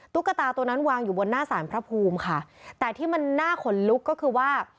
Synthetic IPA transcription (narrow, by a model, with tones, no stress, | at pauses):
t̪u˦˥kːa˧˩t̪aː˧t̪o˧na˦˥nwaː˧ŋjuː˨˩bo˧nːaː˥˩saː˩˦npʰɾa˦˥pʰuː˧mkʰa˥˩t̪ɛː˨˩t̪ʰiː˥˩ma˧nːaː˥˩kʰo˨˩˦nlu˦˥kːɔː˥˩kʰɯː˧waː˥˩